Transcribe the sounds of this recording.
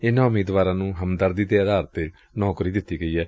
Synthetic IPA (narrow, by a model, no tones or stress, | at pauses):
ɪnãːʊmeːd̪ʋaːɾãːnũːɦəmd̪əɾd̪iːd̪eːəd̪aːɾət̪eː | nɔːkɾiːd̪ɪt̪ːiːɡəiːɛː